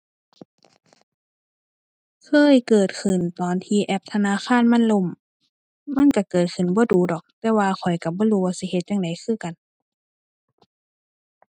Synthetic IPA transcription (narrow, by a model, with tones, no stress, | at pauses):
kʰɤː˧˥˨jkɤː˨˩t̪̚kʰɯ˨˩nt̪ɔː˨nt̪ʰiː˧˩ʔɛ˧˩p̚t̪ʰa˧naː˧˥˨xʰaː˧˥˨nma˧˥˨nlo˧˨m | ma˧˥˨nka˧˩kɤː˨˩t̪̚kʰɯ˨˩nbɔː˧˦duː˨˦dɔː˨˩k̚t̪ɛː˧waː˧kʰɔ˨˩jka˧˩bɔː˧˥˦duː˧˦waː˧si˧˦he˧t̪̚jaː˧ŋda˨˦jkʰɯː˧˥˨ka˨n